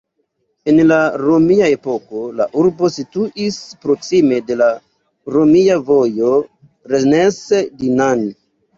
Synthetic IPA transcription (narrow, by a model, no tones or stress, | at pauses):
e̞nlaɾo̞miae̞po̞ko̞la̰ʔuɾbo̞situʔispɾo̞ksime̞de̞la | ɾo̞miavo̞jo̞ | ɾenesedinan